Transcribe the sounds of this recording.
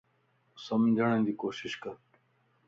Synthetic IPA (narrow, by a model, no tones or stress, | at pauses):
sɐmd͡ʑɐɽẽnd̪ikoːɕiɕkɐɾ